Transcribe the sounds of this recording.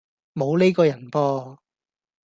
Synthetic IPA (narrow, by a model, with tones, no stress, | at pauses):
mo˨˧wle˥jkɔː˧jɐ˨˩npɔː˧